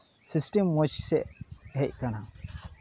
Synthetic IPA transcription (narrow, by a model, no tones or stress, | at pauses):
sisʈimːɔt͡ʃsɛʔɦɛc̚kana